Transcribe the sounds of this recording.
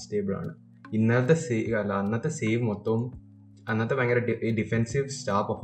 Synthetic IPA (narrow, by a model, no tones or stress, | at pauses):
sʈeːbɨɭa̰ːɳɨ | inːɐlɐt̪ːesekɐlɐɐnːɐt̪ːeseːʋmot̪ːɐum | ɐnːɐt̪ːɐmɐŋɡɐɾɐɖiɖifensiʋsʈaːpɐf